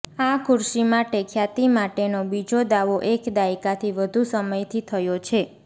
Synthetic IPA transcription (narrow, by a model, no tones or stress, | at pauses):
akʰʊɾʃimãʈekʰjat̪imaʈenobid͡ʒod̪aʋoʔekd̪aikat̪ʰiʋəd̪ʱusəməjt̪ʰit̪ʰəjot͡ʃʰe